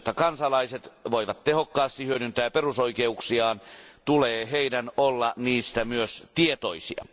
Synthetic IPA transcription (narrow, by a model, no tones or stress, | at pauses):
t̪ːɑkɑnsɑlɑiset̪ʋoiʋɑt̪t̪ehokːɑːst̪ihyønynt̪æːperusoikeuksiɑːnt̪uleːheinænolːɑniːst̪æmyøst̪iet̪oisḭɑ̰